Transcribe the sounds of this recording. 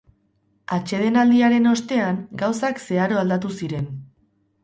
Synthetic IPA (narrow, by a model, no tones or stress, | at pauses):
at͡ʃe̞ð̞e̞nald̪iaɾe̞no̞st̪e̞aŋɡawsakse̞aɾo̞ald̪at̪̬usiɾe̞n